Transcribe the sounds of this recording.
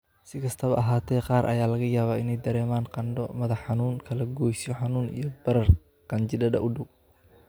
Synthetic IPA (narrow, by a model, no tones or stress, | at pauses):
sɪkʰɐst̪ʰɐβɐʔɐɦaːt̪ʰɛːqɑːɾʔɐ̰jaːlɐɣɐjaːβaːɪnɛjd̪ɐɾɛːmaːnqɑnɖɔmɐðɐħɑnuːŋkʰɐlɐɡɔːjsɔħɑnuːnḭjɔbɐɾɐr | qɐnt͡ʃɪdɐdɐ̰ʔʊɖʊw